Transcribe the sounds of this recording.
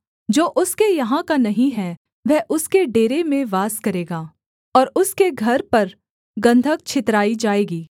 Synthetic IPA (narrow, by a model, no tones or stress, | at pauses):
d͡ʒoːʔʊskejɐɦãkanɐɦĩɦɛ | ʋɛɦʔʊskeɖeːɾemẽʋaːskɐɾeːɡaː | ɔːɾʊskeɡʱɐɾpɐɾ | ɡɐ̃nd̪ʱək̚t͡ʃʰɪt̪ɾaːid͡ʒaːeːɡiː